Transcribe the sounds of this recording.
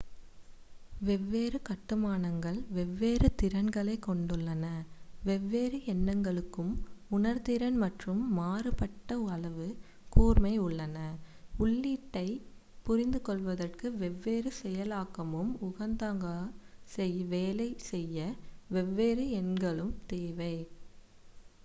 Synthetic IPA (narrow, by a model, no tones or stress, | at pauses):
ʋɛʋːeːrɯkɐʈːɯmaːnɐŋɡɐɭʋɛʋːeːrɯt̪ɪɾɐnɡɐɭɐɪkːɔɳɖɯɭːɐnɐʋɛʋːeːɾɯɛnːɐŋɡɐɭɯkːɯmʊnɐɾt̪ɪɾɐnmɐʈrɯmːaːrɯpɐʈːɐɐɭɐʋɯ | kuːrmɐɪʊɭːɐnɐʊɭːiːʈːɐɪ | pʊrɪnd̪ɯkɔɭʋɐðɐrkɯʋɛʋːeːɾɯsɛjɐlaːkːɐmɯmʊɣɐnd̪aːŋɡasɛjʋeːlɐɪsɛjːɐʋɛʋːeːɾɯɛnɡɐɭɯmt̪eːʋɐɪ